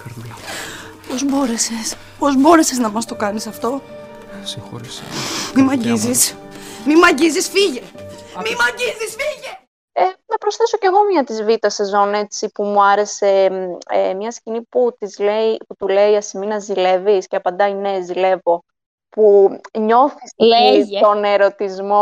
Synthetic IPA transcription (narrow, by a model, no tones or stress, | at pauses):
kɐɾɐ | po̞zbo̞ɾe̞ses | po̞zbo̞ɾe̞seznɐmɐst̪o̞kɐnisɐft̪o̞ | sixo̰ɾismimɐɟizismimɐɟizisfiʝemimɐɟizisfiʝe | enɐpɾo̞sθe̞so̞ce̞ɣo̞mɲɐt̪izvit̪ɐse̞zo̞ne̞t͡sipumuɐɾe̞se̞ | mɲɐsciniput̪izleiput̪ule̞iɐsiminɐzile̞visceɐpɐnd̪ɐine̞zile̞vo̞ | puɲo̞θisilɐit̪o̞ne̞ɾo̞t̪izmo